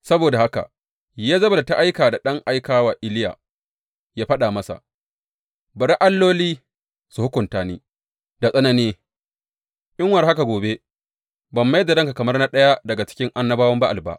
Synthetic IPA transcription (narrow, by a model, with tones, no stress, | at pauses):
sɐ˦boː˨da˨ha˦ka̰˨ | jaː˦zɐ˦ba˨la˨ta˦ʔa˦jkaː˨da˨ɗɐ˦ŋʔa˦jkaː˦waː˨ʔɪ˦lɪ˦ja̰ː˨ | jaː˦ɸɐ˦ɗaː˨mɐ˦sa̰˨ | bɐ˨ɾʔa˦lːoː˦liː˦ | su˨hʊ˦kʷʊ˨ntaː˨niː˦ | da˨sʼɐ˦nɐ˦niː˦ | ʔɪ˦ŋwɐ˨rha˦ka˨ɡʷoː˨be˦ | bɐ˨mːa˦jda˨dɐ˦ŋka˨kɐ˨mɐ˦rna˦ɗɐ˦ja˦dɐ˨ɡa˨t͡ʃɪ̥˦kʲɪ˦ŋʔa˦nːɐ˦baː˦wɐ˦mba˦ʔa˨ba̰˦ʔ